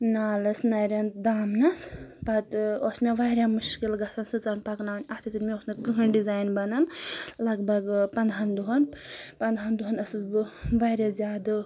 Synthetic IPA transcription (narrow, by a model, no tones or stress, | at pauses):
naːlɐsnɐɾʲɐnt̪d̪aːmnɐspɐt̪ɔsmeʋajɾʲjamuʃkilɡɐsʰɐnsɨt͡sanpɐknaːnɐt̪ʰit͡siɾmʲeosnɐkɨɦɐnɖizaːjnbɐnɐnlɐɡbʱɐɡpɐnd̪ʱɦɐnd̪uɦɐnpɐnd̪ɦɐnd̪uɦɐnɐsɨzbɨʋaɾʲazʲjaːd̪ɨ